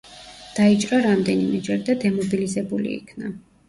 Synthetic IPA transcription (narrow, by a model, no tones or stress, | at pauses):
d̪̥ait͡ʃʼɾaɾamd̪ɛnimɛd͡ʒɛɾid̪ad̪ɛmɔbilizɛbulḭḭkʰna